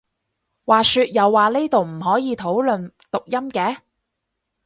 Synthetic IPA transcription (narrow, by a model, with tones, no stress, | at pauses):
waː˨syː˧t̚jɐ˨wːaː˨˩leː˥t̪o˨wm̩˨˩ɦɔː˨˥jiː˨˧t̪ʰo˨˥wlɵ˨nt̪ʊ˨k̚jɐ˥mkɛː˨˥